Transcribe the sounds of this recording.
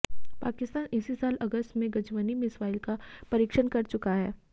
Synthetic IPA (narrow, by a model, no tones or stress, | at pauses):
pa̰ːkɪst̪aːnɪsisaːlɐɡəst̪mẽɡɐd͡ʒʋənimɪsʋaːɪlkapɐɾiːkʃənkɐɾt͡ʃʊkaɦɛː